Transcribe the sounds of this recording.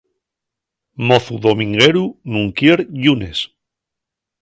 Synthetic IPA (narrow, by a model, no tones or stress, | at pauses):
moθuðomĩŋɡeɾunuŋkjeɾʎunes